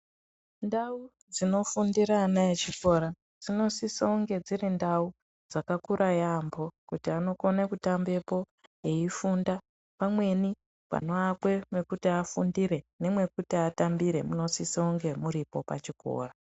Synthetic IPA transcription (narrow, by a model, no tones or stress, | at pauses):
ndau | d͡zino̞fundiɾaːnaet͡ʃiko̞ɾa | d͡zino̞siseuŋɡe̞d͡zirindau | d͡zakakuɾʔajambo̞kutiano̞konekutambe̞po̞ | eifunda | pamwe̞ni | pa̰no̞akwe̞mwe̞kutiafundiɾe̞ne̞mwe̞kutiatambiɾe̞muno̞siseuŋɡe̞muɾipo̞pa̰t͡ʃiko̞̰ːra